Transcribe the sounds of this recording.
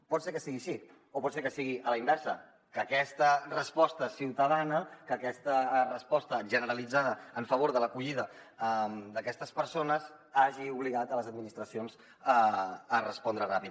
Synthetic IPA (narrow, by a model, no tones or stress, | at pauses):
pɔt̪seɾkəsiɣiʃi | opɔt̪seɾkəsiɣiʔələimbɛɾsə̰ | kəkɛst̪ərəspɔst̪əsiwt̪əðanəkəkɛst̪ərəspɔst̪əʒənəɾəlid͡zað̞əəɱfəβ̞oɾðələkuʎiðəmd̪əkɛst̪əspəɾsonəz | aʒiuβliɣat̪ələzəd̪minist̪ɾəsionz | əərəspɔnd̪ɾərapit̪̚